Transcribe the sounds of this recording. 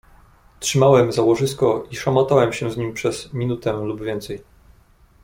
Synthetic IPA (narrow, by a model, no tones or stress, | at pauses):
tʂɘmawɛmzawɔʐɘst̪kɔiʂamɔt̪awɛmɕɛ̃zɲimʲpʂɛz̥mʲinut̪ɛlubvʲjɛnt̪sɛj